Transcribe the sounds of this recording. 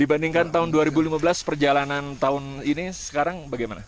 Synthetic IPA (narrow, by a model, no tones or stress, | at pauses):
dibandiŋkant̪aɦʊnduaɾibulimabəlaspərd͡ʒalanant̪aʊninisə̥kaɾaŋbaɡajma̰na̰